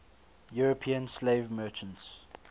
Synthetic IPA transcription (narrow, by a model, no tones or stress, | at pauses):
juɹəpʰĩə̃nsleɪvmɜːˑt͡ʃə̃nts